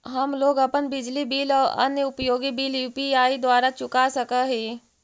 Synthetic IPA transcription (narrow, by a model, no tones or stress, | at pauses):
ɦɐmloːɡɐpənbɪd͡ʒlibiːlɔːə̰njəʊpjoːɡibiːljuːpiaːid̪waːɾat͡ʃʊkasɐkəɦeː